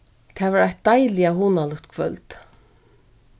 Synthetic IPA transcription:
t̪ʰɛːvaːɾajt̪̚d̪ajlɪaɦuːnalʏkt̪kʰvœlt̪

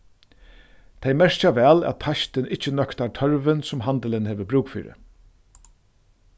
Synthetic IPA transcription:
t̪ʰejmɛɹ̥t͡ʃaʋɛːlæ̰t̪̚p̪ʰaʃt̪ɪnɪht͡ʃːənœkt̪aɾt̪ʰœɹʋɪnsʊmɦant̪əlɪnheːʋəbɾuːkfḭːɾɪ̰

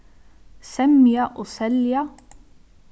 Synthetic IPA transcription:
sɛmjɑʔosɛljɑ

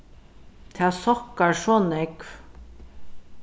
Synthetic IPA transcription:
t̪ʰɛːsɔkaɹʂɔnɛkf

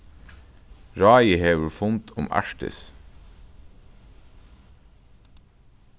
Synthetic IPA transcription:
ɹɑːjəheːʋəfʊnt̪ʰʊmæ̰ʃʈə̰s

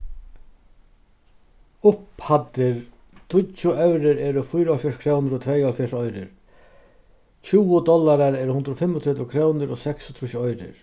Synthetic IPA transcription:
ʊphat̪ːɪɾ | t̪ʰʊt͡ʃːʊɛwɾɪɾɛːɾʊfʊjɾalfjɔʂkʰɾɛwnɪɾɔt̪ʰvɛjalfjɛʂɔjɾɪ̰ɾ | t͡ɕʰuːwʊd̪ɔlaɾaɾɛːɾhʊnd̪ɾɔfɪmːɔt̪ʰɛt̪ʊkʰɾɛːwnɪɾɔsɛkst̪ʰɾuːʃɔjɾɪ̰ɾ

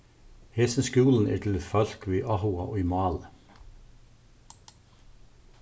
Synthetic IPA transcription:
heːsənskuːln̩æ̰ːt̪ʰɪlfœl̥kʋiːʔɑhʊɑʔo̰ːimɑːlə

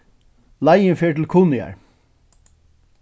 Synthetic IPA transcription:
lajənfeːɹʈl̩kʰuːnɪæ̰ɹ

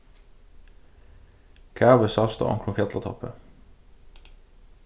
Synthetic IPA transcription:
kʰæʁʋəsɑst̪o̰ʁɑ̰ŋkʰlʊfjɛt̪lət̪ʰɔ̰pə

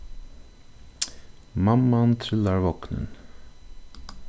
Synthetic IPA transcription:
mamːant̪ʰɾɪlːaɾvɔknə̰n

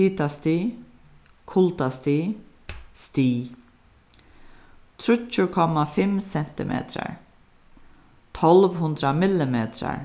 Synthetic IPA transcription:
iːt̪ast̪i | kʰʊlt̪ast̪iː | st̪iː | t̪ʰɾʏcʊkʰɔmːafɪmsɛn̥t̪ɪ̰mʔḛːt̪ɾa̰ɹ | t̪ʰɔlʋɦʊnd̪ɾamɪlɪmeːt̪ɾa̰ɹ

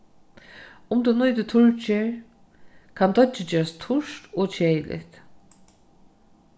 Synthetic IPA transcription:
ʊmt̪unʊjt̪ɪt̪ʰʊɹt͡ʃɪɹ | kʰant̪ɔt͡ʃɪd͡ʒeːɾast̪ʰʊʂt̪oːt͡ʃʰeːjɪlʔɪ̰t̪

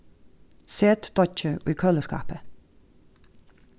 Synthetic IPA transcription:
seːt̪d̪̥ɔt͡ʃəʔiːkʰœləskɑ̰ːpə

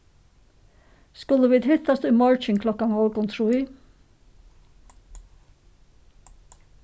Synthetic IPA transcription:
skʉləʋiːd̪hɪt̪ɑst̪ʉːmɑɹt͡ʃɪŋkʰlɔkɑnhɔlɡʊnt̪ʰɹuːiː

